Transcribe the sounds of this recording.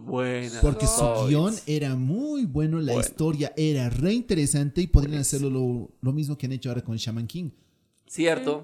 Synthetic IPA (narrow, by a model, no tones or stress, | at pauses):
bwenpo̞ɾkesuɣio̞ne̞ɾamujβwe̞no̞laist̪o̞ɾjaʔe̞ɾare̞int̪e̞ɾe̞sant̪e̞ipoðɾianase̞ɾlo̞lolo̞mizmokeane̞t͡ʃoaoɾakonlʃamãŋkiŋ | sjeɾt̪o